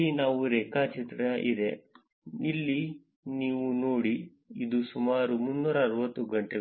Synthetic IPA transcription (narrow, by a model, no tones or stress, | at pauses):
inaːʋuɾɛːkaːt͡ʃit̪ɾɐʔid̪e̞ | ilːi | niːʋunoːɽi | id̪usumaːɾumunːuːɾɐːɾʋɐt̪ːuɡɐɳʈe